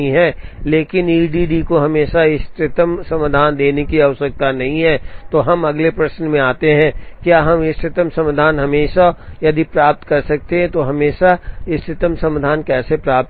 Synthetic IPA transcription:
ĩɦɛːleːkɪniːɖiːɖikoɦɐmeːʃaɪst̪ɾɪt̪əmsɐmd̪ʱaːnd̪eːnekiɐʋʃək̚t̪anɐɦĩɦɛːt̪oɦɐmɐɡlepɾɐʃnmẽaːt̪eɦɛ̃ːkjaːɦɐmɪst̪ʰɪt̪əmsɐ̃md̪ʱaːnɦɐmeːʃajɐd̪ipɾaːp̚t̪kɐɾsɐk̚t̪eɦɛ̃t̪oɦɐmeːʃaɪst̪ʰɪt̪əmsɐ̃md̪ʱaːnkɛːsepɾaːp̚t̪

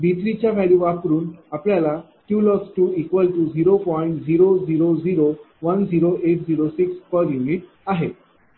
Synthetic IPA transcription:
bʱit̪ɾit͡ɕjaʋæɭjuʋakɾuːnapljala | ʈjuːlɔsʈuːikʋəlʈud͡ziɾopɔiɳʈd͡ziɾod͡ziɾod͡ziɾo | ʋənd͡ziɾoʔeʈ̚d͡ziɾosikspəɾjuniʈ | aɦe

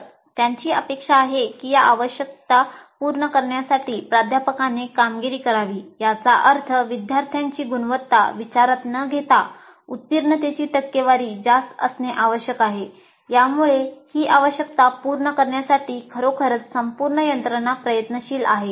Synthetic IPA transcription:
t̪jaɲt͡ɕiːəpekʂaːɦekiːjaaʋəɕjək̚t̪apuɾɳəkəɾɳjasaʈiːpɾad̪ʱjapəkanekamɡiɾiːkəɾaʋiːjat͡saʔəɾt̪ʰəʋid̪ʱjaɾt̪ʰjãɲt͡ɕiːɡunʋət̪ːa̰ʋit͡ɕaɾat̪nəɡʱet̪a | ut̪ːiɾɳət̪et͡ɕiːʈəkːeʋaɾiːd͡ʑast̪ə̰sneʔaʋəɕjəkaɦe | jamuɭehiːʔaʋəɕjək̚t̪apuɾɳəkəɾɳjasaʈiːkʰəɾokʰəɾət͡s̪səmpuɾɳəjənt̪ɾənapɾəjət̪nəɕiːla̰ɦe

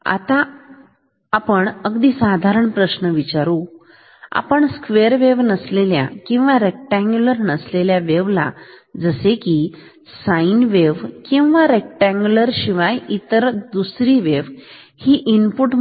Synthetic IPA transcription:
a̰t̪a | pəɳəɡd̪iːsad̪ʱaɾəɳpɾəɕnəʋit͡ɕaɾu | a̰pəɳskʋeɾʋeʋnəslelja̰kĩw̃ʋaɾek̚ʈãŋɡjuləɾnəsleljaʋeʋla̰d͡zəseki | sainʋeʋkĩw̃ʋaɾek̚ʈãŋɡjuləɾɕiʋajit̪əɾd̪usɾiʋeʋ | hiːʔinpuʈ

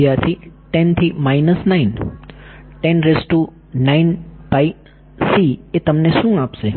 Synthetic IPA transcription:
jaɾt̪ʰiʈent̪ʰimainəsnain | ʈenɾesʈu | nainbai | siet̪əmneʃũapʃe

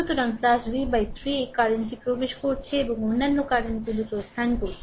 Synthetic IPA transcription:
t̪oɾʌnsasɾibajt̪ʰɾiekaɾonʈipɾobeʃkoɾt͡ɕʰeebɔŋonːanːokaɾentilutost̪ʰankoɾt͡ʃʰi̥

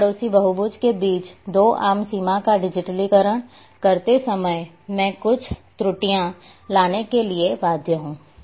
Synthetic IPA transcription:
pɽoːsibɐɦubʊd͡ʒkebiːt͡ʃd̪oːʔa̰ːmsiːmãkaɖɪd͡ʒɪʈəlikəɾəɽ̃ | kɐɾt̪esɐməj | mɛ̃ːkʊt͡ʃʰt̪ɾʊʈijã | laːnekelieʋaːd̪ʱjəɦũː

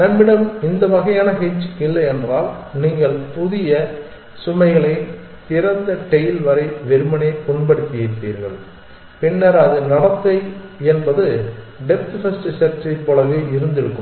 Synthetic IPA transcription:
nɐmːɪɽɐmɪnd̪ɐʋɐɣɐjaːnɐɦɛt͡ʃːɪlːɐɛndraːlniːŋɡɐɭpʊðɪjɐ | sʊmɐɪɣɐɭɐɪ | t̪ɪɾɐnd̪ɐʈɛjɪlʋɐɾɐɪʋɛɾɯmɐneːkɔɳbɐɽɯt̪ːɪjɪʈ̪ːḭːɾɣɐ̰ɭ | pɪnːɐɾɐðɯnɐɽɐt̪ːɐɪɛnbɐðɯ | ɖɛp̚t̪fɐsʈsɐɾt͡ʃːɐɪpːoːlɐʋeːɪɾɯnd̪ɪɽɯkːɯm

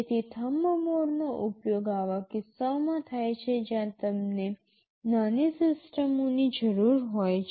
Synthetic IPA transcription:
t̪ʰit̪ʰəməmoɾnoʔupjoɡaʋakɪsːamãt̪ʰajt͡ʃʰed͡ʒjãt̪əmne | nanisɪsʈəmonid͡ʒəɾuɾɦojt͡ʃʰ

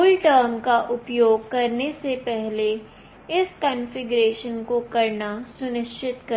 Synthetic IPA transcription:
ʊlʈəːɾmkaʔʊpjoːɡ̚kɐɾnesepɛɦle | ɪskə̃nfɪɡɾeːʃənkokɐɾnasʊnɪkt͡ʃʰɪt̪kɐ

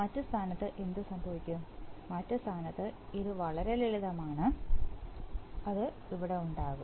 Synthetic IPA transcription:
mɐtːɨst̪ʰaːnɐt̪ːɨʔe̞nd̪ɨsɐmbʱɐʋikʲːumːɐtːɨst̪ʰaːnɐt̪ːɨiɾuʋɐɭɐɾe̞liliðɐmaːɳɨ | ɐðɨ | iʋiɽe̞uɳɖaːɣum

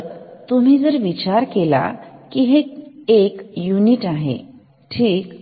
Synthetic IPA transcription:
t̪um̤iːd͡zəɾʋit͡ɕaɾkela̰kiɦeekjuniʈaɦḛ | ʈʰiːk

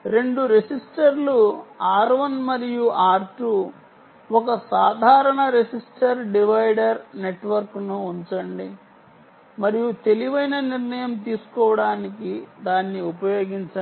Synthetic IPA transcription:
ɾe̞ɳɖuɾesisʈɐɾluaːɾʋɐnmɐɾijuʔaːɾʈu | ɔkɐsaːd̪ʱaːɾɐɳɐɾesisʈɐɾɖiʋɐjɖɐɾne̞ʈʋɐɾknuːɲt͡ʃɐɳɖi | mɐɾijut̪e̞liʋɐjnɐniɾnɐjɐmt̪iːsu̥kɔːʋɐɽaːnikid̪aːnːiupɐjo̞ːɡiɲt͡ʃɐ

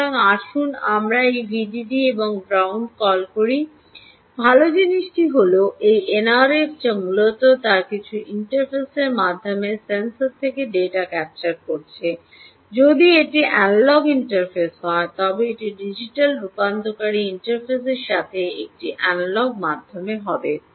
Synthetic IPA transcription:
aŋaʃunamɾaejbʱiɖiɖieboŋɡɾawɳɖkɔlkoɾi | bʱalod͡ʑiniʃʈiɦoloʔejenaɾeftamulot̪ot̪aɾkit͡ɕʰuʔiɳʈaɾpʰeseɾmad̪ʱːomesensoɾt̪ʰːekeɖeʈakɛp̚t͡ɕaɾkoɾt͡ɕʰe | d͡ʑod̪ieʈiʔɛnlɔɡiɳʈaɾpʰesɦɔet̪ɔbeeʈiɖid͡ʑiʈalɾupand̪ʱokaɾiiɳʈaɾpʰes̬eɾʃat̪ʰeek̚ʈiʔɛnlɔɡ̚mad̪ʱːomeɦɔbe

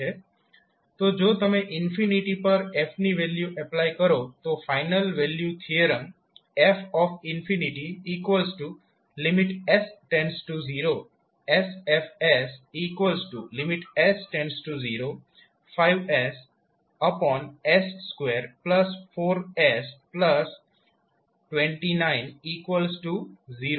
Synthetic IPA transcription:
e | t̪od͡ʒoːt̪əmẽʔɪnfʰiniʈipəɾefʰniʋeljuʔɛplaikəɾot̪ofaɪnəlʋeljut̪ʰiəɾə̃ŋ | efʰɔfɪnfʰiniʈiiːkʋəlsʈu | lɪmɪʈesʈẽnsʈuziːɾo | esefesiːkʋəlsʈulɪmɪʈesʈẽnsʈuziːɾoː | faɪʋes | əpɔ̃ːnesːkweːɾpləsfoːɾespləs | ʈʋẽɳʈinãɪ̃niːkwəlsʈuziːɾo

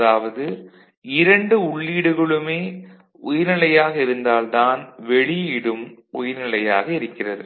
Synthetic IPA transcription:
ɐðaːʋɐðɯ | ɪɾɐɳɖɯʊɭːiːɽɯɣɐɭɯmeː | ʊjɪɾnɪlɐjaːɣɐɪɾɯnd̪aːlt̪aːnʋɛɭɪɪɽɯmɔjɪɾnɪlɐja̰ːɣɐɪɾɯkːɪrɐɾɯ

